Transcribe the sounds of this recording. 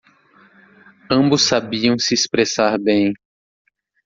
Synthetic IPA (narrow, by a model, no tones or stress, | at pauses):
ɐ̃bʊsːabiɐ̃w̃sɪːspɾesaɾbẽj̃